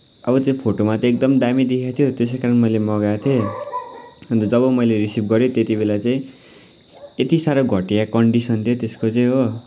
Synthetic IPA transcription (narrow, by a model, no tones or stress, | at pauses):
ʌbʌt͡saĩpʰoʈomat̪ʌek̚d̪ʌmd̪amid̪ikʰjat̪ʰjot̪es̬ekaɾʌnmʌjlemʌɡat̪ʰie | ʌnd̪ʌd͡zʌβʌmʌjleɾisib̚ɡʌɾjot̪et̪ibelat͡saĩ | et̪isaɾʌɡʱʌʈijakʌɳɖisʌnt̪ʰjot̪eskot͡sãĩɦo